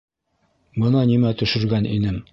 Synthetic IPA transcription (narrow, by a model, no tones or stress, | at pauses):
bɤ̆nɑnimæt̪ɵ̆ʃɘ̆ɾɡænʔḭnɘm